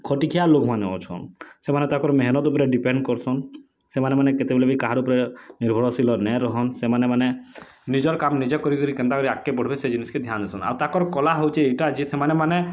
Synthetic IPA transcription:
kʰɔʈikʰijalokʰmaneɔ̰t͡ʃʰɔ̰nsemanet̪akɔɾmeɦnɔt̪upɔɾeɖipeɳɖkɔɾsɔn | semanemaneket̪ebelebikaɦaɾupɔɾeniɾbʱɔɽɔsilɔnɛɾɔɦɔnsemanemane | nid͡ʒɔɾkamnid͡ʒekɔɾikɔɾikɛ̃nt̪akɔɾiakːebɔɽbesed͡ʒinisked̪ʱjand̪esʰɔna̰wt̪akɔɾkɔlaɦowt͡ʃʰiejʈad͡ʒisemanemane

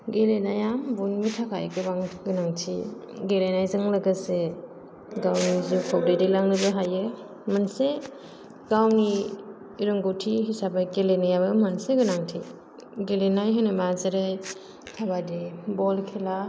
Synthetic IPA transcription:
ɡelenajambunmitʰakʰajkɯbaŋɡɯnaŋtʰiɡelenajzɯŋlɐɡase | ɡawnizukʰɔw̚dajdilaŋlɯbɯɦajɯ | manse | ɡawni | iɾɯŋɡotʰiɦisabajɡelenajabɯmanseɡɯnaŋtʰḭ | ɡelenajɦɯjnɯmazɯɾɯj | tʰabadibɔlkʰela

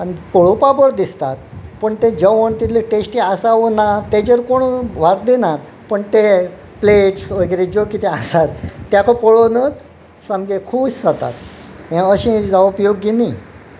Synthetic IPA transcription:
anipoɭopabəɽd̪ist̪at̪̚pəɳt̪ed͡ʑəʋəɳt̪it̪liʈesʈiasaʋonat̪ed͡ʑəɾkoɳ̃uʋaɾ̚d̪inat̪ | pəɳt̪e | pleʈsʋəɡɾed͡ʑokit̪easat̪ːjakʰopɔɭonət͡s | sãmɡekʰuːssat̪a̰t̪ɦẽəɕĩd͡zaopjoɡːeni

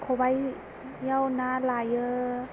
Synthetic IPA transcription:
kʰobaj | jawnaːlaːjə

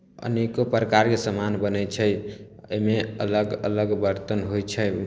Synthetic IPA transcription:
ə̰nekopɾəkaɾkesəmanbənəjt͡ʃʰəjə̰jmeələɡə̰ləɡbəɾt̪ənɦojt͡ʃʰə

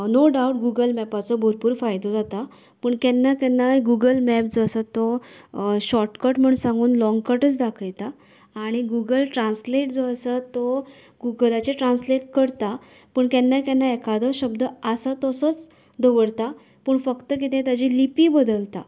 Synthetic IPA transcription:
noɖauʈɡuɡəlmɛpat͡sɔbʱoɾpuːɾfajd̪ɔd͡zat̪a | pəːɳkɛnːakɛnːajɡuɡəlmɛp̚d͡zoəsat̪ɔ | ɕɔʈkəɾʈm̤əɳsãŋɡuːnlɔ̃ŋɡkəʈət͡sd̪akʰəjt̪aː | ɽ̃iɡuɡəlʈɾãnsleʈd͡zoəsat̪ɔ | ɡuɡəlat͡ɕeʈɾãnsleʈkəɾt̪a | pəːɳkjɛnːajkɛnːaekʰad̪əɕəb̚d̪əəsat̪ɔsɔt͡s | d̪əʋəɽt̪a | pəːɳfəkt̪ək̬it̪ɛ̃t̪ad͡ʑilipiːbəd̪əlt̪a̰

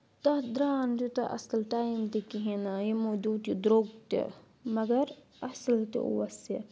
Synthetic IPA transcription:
t̪ɐd̪ɾaːnd͡ʒut̪ɐʔɐ̰slʈaːjmt̪ikiɦĩnajemoːd͡ʒuːd̪id̪ɾoɡ̚t̪ḛ | mɐɡɐɾ | ɐslt̪ḛʔṵʋɐse

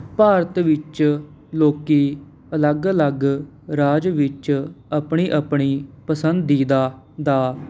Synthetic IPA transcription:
paːɾət̪ʋɪt͡ʃ | loːkiː | ələɡələɡ | ɾaːd͡ʒʋɪt͡ʃəpɳiːʔəpɳiːpəsənd̪ːiːd̪aː | d̪aː

